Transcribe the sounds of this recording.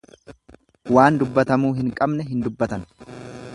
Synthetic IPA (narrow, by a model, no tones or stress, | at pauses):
waːnd̪ʊbːɐt̪ɐmuːɦɪŋkʼɐbnɛɦɪnd̪ʊbːɐt̪ɐn